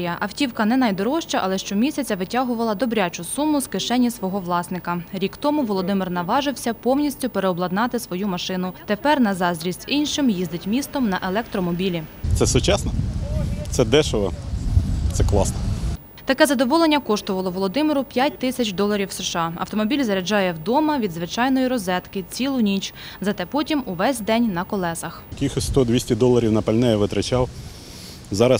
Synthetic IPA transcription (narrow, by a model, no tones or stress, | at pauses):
jɐʔɐwtʲiwkɐnɛnɑjd̪ɔɾɔʃt͡ʃɐʔɐ̰lˠɛʃt͡ʃɔmʲisʲɐt͡sʲɐʋɪtʲaɦʊʋɐlˠɐd̪ɔbɾʲat͡ʃʊsumʊskɪʃɛnʲːisʋɔɦɔʋlˠɑsnɪkɐɾʲikt̪ɔmʊʋɔlˠɔd̪ɪmɪrnɐʋɑʒɪwsʲɐpɔwnʲisʲtʲʊpeɾeɔblˠɐd̪nɑt̪ɪsʋɔjumɐʃɪnʊt̪epɛrnɐzɑzʲɾʲisʲtʲinʲʃɪmjizd̪ɪtʲmʲist̪ɔmnɐʔelˠɛk̚t̪ɾɔmɔbʲilʲit̪ɛsʊt͡ʃasnɔ | t̪sɛd̪ɛʃʊʋɐ̰ | t̪sɛklˠɑsnɔ | t̪ɐkɛzɐd̪ɔʋɔlˠenʲːɐkɔʃt̪ɔʋɐlˠɔʋɔlˠɔd̪ɪmɪɾʊpʲjatʲt̪ɪsʲɐt͡ʃʲd̪ɔlˠɐɾʲiwseʃɑɐ̰wt̪ɔmɔbʲilʲzɐɾʲɐd͡ʒɑjɛwd̪ɔmɐʋʲid̪zʋɪt͡ʃɑjnɔjiɾɔzɛt̪kɪt͡sʲilˠʊnʲit͡ʃzɐt̪ɛpɔtʲimuʋɛsʲd̪ɛnʲnɐkɔlˠɛsɐxkʲixɔsʲst̪ɔd̪ʋʲisʲtʲid̪ɔlˠːɐɾʲiwnɐpɐlʲnɛjɛʋɪt̪ɾɐt͡ʃɑw | zɑɾɐs